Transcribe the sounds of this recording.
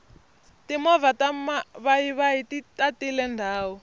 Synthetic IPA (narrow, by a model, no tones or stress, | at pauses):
timɔvatamaβaiβaititatilɛndʱaːwɔ